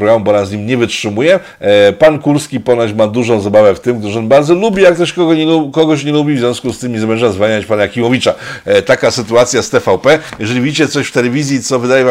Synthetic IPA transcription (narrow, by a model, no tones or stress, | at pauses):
pɾɔɡɾamubɔnazɲimɲɛvɘtʂɘmujɛ | pankuɾskʲipɔnaɕmad̪uʐɔ̃w̃zabavɛft̪ɘmkt̪ɘʂɔnbaɾd̪zɔlubʲijak̚t̪ɔʂkɔɡɔɲɛlukɔɡɔɕɲɛlubʲivzʲjɔ̃skust̪ɘmʲizamɛʐazvaɲat͡ɕpanakʲimɔvʲit͡ʂat̪akasɘt̪uat̪sʲjast̪ɛfawpɛjɛʐɛlʲivʲid͡ʑit͡ɕɛt̪sɔɕft̪ɛlɛvʲizʲjit̪sɔvɘd̪ajɛva